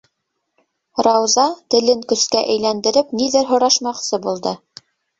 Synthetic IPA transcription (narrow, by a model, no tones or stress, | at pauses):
ɾɑwzɑt̪ɘ̆lɘŋkɵ̆skæʔɘ̆jlænd̪ɘ̆ɾɘpniðɘɾɦŏɾɑʃmɑqsɤbulˠd̪ɤ